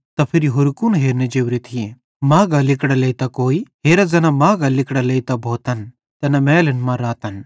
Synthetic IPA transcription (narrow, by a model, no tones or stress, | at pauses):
t̪ɐpʰɪɾiɦʊɾkunɦeːɾned͡ʒewɾit̪ʰie | maːɡɐlɪkɽɐleit̪ɐkoːiɦeːɾɐd͡zɐnamaːɡɐlɪkɽɐleit̪ɐbʱoːt̪ɐn | t̪ɐnɐmɛːlɐnmãɾaːt̪ɐn